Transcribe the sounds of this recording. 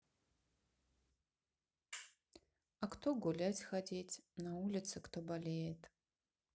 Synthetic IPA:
aktʰoɡʷulʲatʲxadʲetʲʰnaulʲɪt̪sʰɨktʰobalʲejetʼ

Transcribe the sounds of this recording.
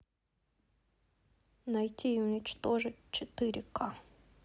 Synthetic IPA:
nɐjtʲiɪʊnʲɪt͡ɕt̪o̞ʐɨt̚ʲt͡ɕɪt̪ɨɾʲɪkʰa

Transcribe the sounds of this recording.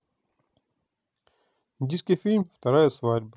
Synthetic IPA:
ind̪ʲijskʲijfʲilʲmft̪ɐɾajəsvadʲb

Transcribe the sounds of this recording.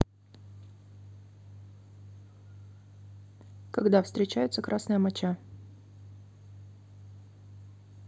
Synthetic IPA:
kɐɡd̪afst̪ɾʲɪt͡ɕæjʊt̪səkɾʔasnɨjəmɐt͡ɕa

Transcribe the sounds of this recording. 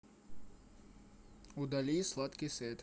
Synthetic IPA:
ud̪ɐlʲislˠɐt̪kiset̪

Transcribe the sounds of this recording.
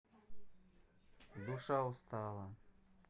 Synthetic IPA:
d̪uʃɑust̪ɑːlˠɑ

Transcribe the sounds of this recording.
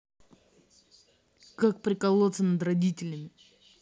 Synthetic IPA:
kak̚pɾʲɪkɐlˠot̪sənəd̪ɾɐdʲitʲɪlʲəmʲɪ

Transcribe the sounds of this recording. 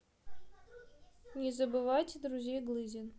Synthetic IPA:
nʲezəbɨvajtʲd̪ɾuzʲejɡlˠɨzʲɪn

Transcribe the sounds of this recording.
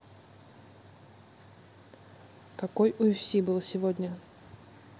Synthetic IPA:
kɐkojʊɪfsʲibɨlˠəsʲɪvodʲnʲə

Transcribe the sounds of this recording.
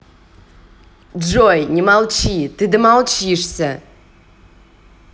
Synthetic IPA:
d͡ʒojnʲimalˠt͡ʃʰit̪ɨd̪ɨmalˠt͡ʃʰiʂsʲɐ

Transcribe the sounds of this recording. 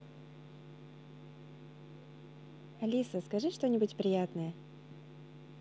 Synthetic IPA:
ɐlʲisəskɐʐɨʂt̪o̞nʲɪbʊtʲpɾʲɪjat̪nəjə

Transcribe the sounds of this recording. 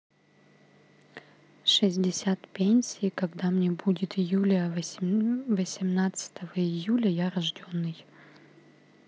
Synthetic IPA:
ʂɨzʲdʲɪsʲat̪pʲenʲsʲɪiːkɐɡd̪amnʲebudʲɪt̪ɪjulʲə | vəsʲɪmnat̪sɨ̥t̪ʰəvəɪjulʲəjaɾɐʐdʲo̞nːɨj

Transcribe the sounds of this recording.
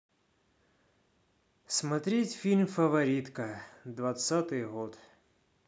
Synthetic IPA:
smɐt̪ɾʲetʲfʲilʲmfəvɐɾʲit̪kəd̪vɐt̪sat̪ɨjɣot̪

